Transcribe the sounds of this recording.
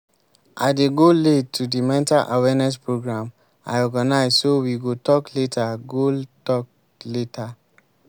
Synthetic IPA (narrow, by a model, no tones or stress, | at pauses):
ʔadeɡoletʰːudimɛ̃ntalʔawɛnɛs̬pɹoɡɹãm | a̰ɪɔɡanaɪzsowiɡotɔkletʰaɡotɔk̚ | letʰa